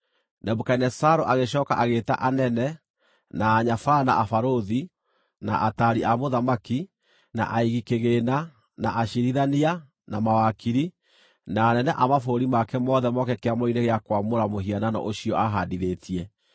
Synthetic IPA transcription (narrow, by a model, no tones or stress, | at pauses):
nɛbukainɛsaɾoʔaɣeʃ̬ɔːka̰ʔaɣeːta̰ʔanɛnɛ | naːɲafana̰ʔafaɾoði | na̰ʔataɾiamoðamaki | na̰ʔaiɣikeɣeːna | naʔaʃiɾiðania | namawakiɾi | naːnɛnɛʔamafoɾimakɛmɔðɛmɔkɛkeamoineɣeakwamoɾamoɦiananɔ̰ʔoɕiɔaɦadiɾeːtʰiɛ